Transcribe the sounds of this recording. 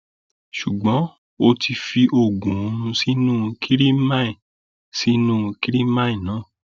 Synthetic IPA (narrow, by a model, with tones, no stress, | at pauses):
ʃu˨ɡ͡bɔ̃˨˦ | o˧tʰi˧fi˧ʔo˧˨ɡũ˨ũ˧nũ˧si˦nũː˦˧kʰi˦ɾi˦mã˦ĩ˨ | si˦nũː˦ũ˧ki˦ɾi˦mã˦ĩ˨nã˨˦˨